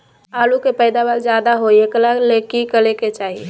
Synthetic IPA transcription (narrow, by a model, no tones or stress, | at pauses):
aːlukepəɪd̪abaːld͡ʒjaːd̪aɦoekəlalekikəleket͡ʃaːɦie